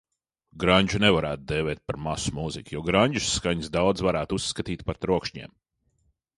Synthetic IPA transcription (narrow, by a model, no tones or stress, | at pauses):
ɡɾaɲʲd͡ʒunɛvaɾæːt̪̚d̪eːvɛːt̪̚paɾmasumuzikʲjɔɡɾaɲʲd͡ʒu̥sːkaɲsd̪awd̪zvaɾæːt̪usːkat̪iːt̪ʲpaɾt̪ɾuɔkʃɲḛːm